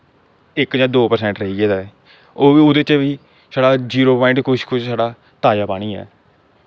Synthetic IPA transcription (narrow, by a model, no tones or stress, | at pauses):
ɪkd͡ʒãːd̪oːpəɾsɛ̃ːɳʈɾəɦiːɡeːd̪aːɛ | oːiʊd̪eːt͡ʃeʋiː | saːɖaːd͡ʒiːɾoːpãːɪɳʈkʊʃkʰʊʃʰsaːɖaː | t̪aːjaːpaːɽ̃iːɛ̰ː